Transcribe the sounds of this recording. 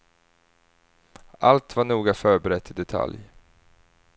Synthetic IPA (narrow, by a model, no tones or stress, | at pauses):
ʔalt̪vaɳuːɡafœːɾbɛɾɛt̪ʰːɪd̪ɛt̪ʰa̰lj